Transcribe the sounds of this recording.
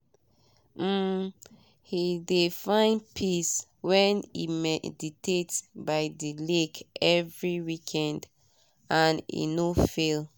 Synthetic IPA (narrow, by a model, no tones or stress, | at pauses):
m̩ | hidefãɪ̃nd̚pʰiswɛ̃nḭmɛditʰetbaɪdilekɛvɹiwikʰɛ̃nd | ãnḭnofel